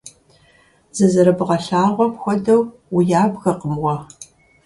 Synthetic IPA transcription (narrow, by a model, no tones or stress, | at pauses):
z̥ɐzɐɾɐbɨʁɐɬaːrʁʷɔpxʷɔdɐw | ʊjaːbɣɐqəmwɐ